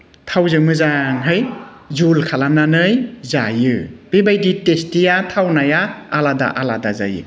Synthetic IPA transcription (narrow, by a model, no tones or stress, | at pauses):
tʰawzɯŋmɯzaŋɦɯj | zulkʰalamnanɯjzajɯb̥ebajditestijatʰawnajaːlada̰ʔaladaza̰jɯ̰